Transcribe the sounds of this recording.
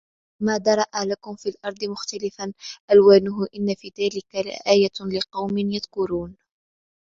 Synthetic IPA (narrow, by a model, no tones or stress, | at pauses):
maːd̪ɑɾˤɑʔalakʊmfiːlʔɑɾˤd̪ˤɨmʊxt̪alɪfanʔalwaːnʊɦʊʔɪnːafiːðaːlɪkalɪ̰ʔaːjalɪqɑwmɪnjaðkʊɾuːn